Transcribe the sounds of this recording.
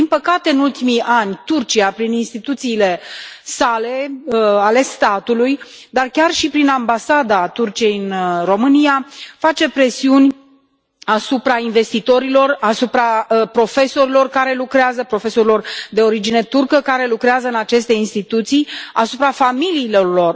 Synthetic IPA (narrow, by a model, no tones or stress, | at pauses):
inpəkat̪e̞ɨnult̪imijʔanʲt̪urt͡ʃiapɾininst̪it̪ut̪siːle̞sale̞ale̞st̪at̪uluj | d̪arkʲarʃipɾinambasad̪at̪urt͡ʃije̞jɨnro̞mɨnijafat͡ʃe̞pɾe̞siunʲ | asupɾainve̞st̪it̪o̞ɾilo̞rasupɾapɾo̞fe̞so̞ɾilo̞rkaɾe̞lukɾeazəpɾo̞fe̞so̞ɾilo̞rd̪e̞o̞ɾid͡ʒine̞t̪urkəkaɾe̞lukɾeazəɨnat͡ʃe̞st̪e̞inst̪it̪ut̪sija̰supɾafamiliːlolo̞r